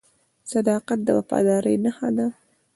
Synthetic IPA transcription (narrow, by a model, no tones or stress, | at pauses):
sad̪ɑqat̪̚d̪əwafɑ̰d̪ɑɾə̰jnahɑd̪a